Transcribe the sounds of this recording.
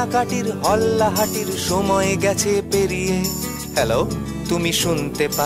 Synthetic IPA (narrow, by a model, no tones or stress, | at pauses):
kaʈiɾɦɔlːaɦaʈiɾʃɔmɔeɡɛt͡ɕʰepeɾije | hɛlo | t̪umiʃunt̪epa